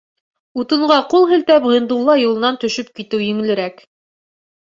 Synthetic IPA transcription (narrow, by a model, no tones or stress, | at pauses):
ut̪ɤ̆ɴɢɑqulˠɦɘ̆lt̪æpʁɤ̆nd̪ulˠːɑjulˠɤ̆nɑnt̪ɵ̆ʃɵp̚kit̪ɘwjɘ̆ŋɘ̆lɘ̆ɾæk